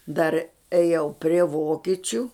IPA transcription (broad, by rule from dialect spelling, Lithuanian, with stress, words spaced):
dɐr ɛˈjɛʊ pʲrʲiɛ ˈʋoːkʲɪt͡ʃʲʊ